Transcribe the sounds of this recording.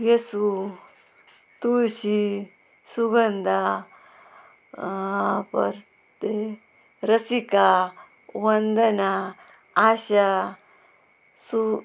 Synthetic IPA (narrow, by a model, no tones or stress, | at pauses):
jesu | t̪uɕi | suɡɐnd̪ʱa | pɐ̰ɾ | t̪e | ɾɐsika | wɐnd̪ɐna | aɕa | su